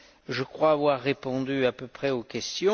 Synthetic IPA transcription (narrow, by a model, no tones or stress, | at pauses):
ʒəkχwaːvwaʁːepɔ̃d̪yapøpχɛokʲɛst̪jɔ̃